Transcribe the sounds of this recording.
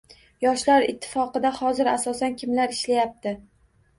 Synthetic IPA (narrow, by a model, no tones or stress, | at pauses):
jɒʃlaɾɪt̪ʰːɪ̥fɒqɨd̪ahɒzɪɾasɒsankʲʰɪmlaɾɪʃlajap̚t̪ɪ